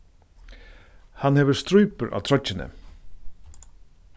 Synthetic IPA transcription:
hanhɛːʋəst̪ɾujpəɾʔa̰ːt̪ʰɾɔt͡ʃːɪnə̰

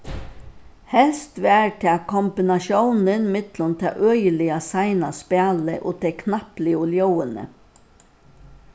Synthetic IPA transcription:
hɛlst̪ʋæːɹt̪ʰɛakʰɔmbɪnaʃjownənmɪt̪lʊnt̪ʰɛa̰ʔøːjəlɪasaɪnaspæːləʔo̰ːt̪ʰɛkʰnaplɪʊljowənə̰

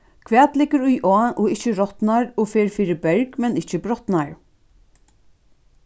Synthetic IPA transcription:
kʰvɛːt̪lɪkːəɾʊjʔɔaʔɔɪht͡ʃɪɾɔt̪naɹɔfeːɹfiːɾɪbɛɹkmɛnɪt͡ʃɪbɾɔt̪naɹ

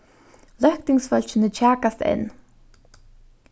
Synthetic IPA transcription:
lœhk̚t̪ɪŋsfœl̥t͡ɕənət͡ɕʰaːkast̪ɛ̰n

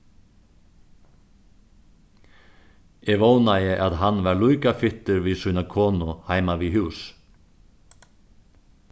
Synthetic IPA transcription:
ɛʋoːwnajɪʔaðɦanːvaɾlujkafɪht̪ʏɾviːsuːnakʰɔːnʊhaːjmaviɦʉːs

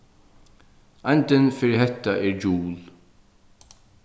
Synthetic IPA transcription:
ajnt̪ɪnfɪɾɪɦɛt̪ːaʔɛɹd͡ʒuːl

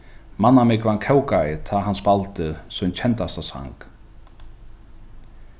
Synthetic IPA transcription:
manːamɪkvankʰɛwkajɪt̪ʰaɦanspalt̪ɪɾsunt͡ɕʰɛnt̪ast̪asa̰ŋk

